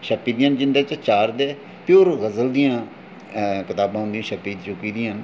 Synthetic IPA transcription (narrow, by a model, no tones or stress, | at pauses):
ʃəpːiːd̪iːaːnd͡ʒɪnd̪eːt͡ʃət͡ʃaːɾd̪eː | pjoːɾɣəzəld̪ijãː | kɪt̪aːbãːɦʊ̃nd̪ĩjãːʃəpːiːt͡ʃʊkːiːd̪ijən